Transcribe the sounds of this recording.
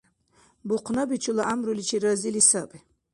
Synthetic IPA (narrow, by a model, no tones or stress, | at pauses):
buqʰnabit͡ʃʰulaʔamɾulit͡ʃʰiɾəzilisabi